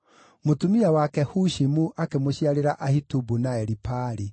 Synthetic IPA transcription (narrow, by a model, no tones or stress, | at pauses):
motumiawakɛhuʃimuʔakemoɕiaɾeɾaʔahitubunaɛɾipaɾi